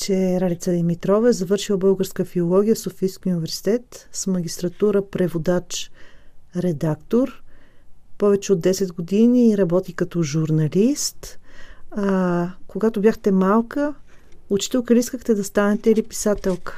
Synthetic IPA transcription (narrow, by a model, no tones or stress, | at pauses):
t͡ʃɛɾalit̪səd̪imit̪ɾɔvɛɛzɐvɤɾʃilˠɐbɤlˠɡəɾskəfiolˠɔɡʲijəfsofiːskʲiunʲivɛɾsi̥t̪ɛt̪smɐɡʲist̪ɾɐt̪uɾəpɾɛvod̪at͡ʃ | ɾɛd̪akt̪oɾ | pɔvɛt͡ʃɛod̪ːɛsɛd̪ɡod̪iniɾɐbɔt̪ikɐt̪ɔʒuɾnɐlist̪ | akoɡat̪objaxt̪ɛmalˠkəot͡ʃi̥t̪ɛlˠkəlʲiiskəxt̪ɛd̪ɐst̪anɛt̪ɛilipi̥sat̪ɛlˠkə̥